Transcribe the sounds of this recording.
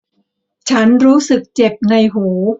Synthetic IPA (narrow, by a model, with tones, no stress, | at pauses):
t͡ɕʰa˦˥nɾuː˦˥sɯ˨˩k̚t͡ɕe˨˩p̚na˧jɦuː˩˦